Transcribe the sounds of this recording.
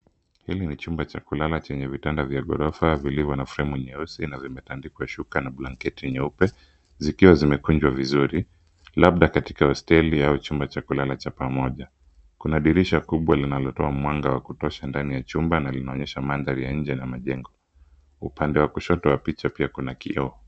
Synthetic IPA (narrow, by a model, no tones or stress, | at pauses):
hilinit͡ʃumbat͡ʃakulalat͡ʃɛɲɛvitandavjaɠɔ̰ɾɔfavilivjɔnafɾɛmuɲɛusinavimɛtandikwaʃukanaɓlaŋkɛtiɲɛupɛ | zikiwazimɛkund͡ʒwavizuɾi | laɓ̚ɗakati̥kahɔstɛliaut͡ʃumbat͡ʃakulalat͡ʃapamɔʄa | kunaɗiɾiʃakuɓwalinalɔtɔamwaŋɡawakutɔʃandanijat͡ʃumbanalinaɔɲɛʃamanðaɾijaɲ̩d͡ʒɛnamaʄɛŋɡɔ | upandɛwakuʃɔtɔwapit͡ʃapiakunakḭɔ